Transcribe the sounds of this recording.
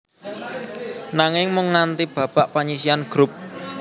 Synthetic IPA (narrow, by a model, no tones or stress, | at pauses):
naŋɪŋmʊŋːant̪ib̥ä̤b̥a̤ʔpaɲisianɡ̥ɾʊp̚